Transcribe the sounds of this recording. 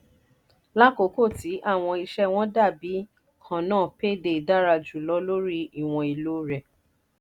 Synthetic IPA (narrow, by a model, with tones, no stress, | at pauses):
la˦ko˨˦ko˦˨ti˨˦ʔa˦˨w̃ɔ̃˧i˧ʃɛ˦w̃ɔ̃˦da˦˨bi˨˦ | kʰã˨nãː˦˨pe˦de˧˨da˦ɾa˧d͡ʒu˨lɔ˧˦lo˦ɾi˦i˦˨w̃ɔ̃˧i˨lo˨˦ɾɛ˨